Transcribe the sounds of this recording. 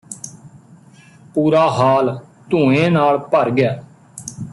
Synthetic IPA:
puːɾaːɦaːlt̪ũːẽːnaːlpəɾɡɪjaː

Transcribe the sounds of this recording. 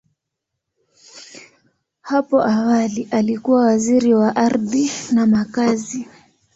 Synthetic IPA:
hapɔʔawaliʔalikuwawaziɾiwaʔaɾðinamakazi

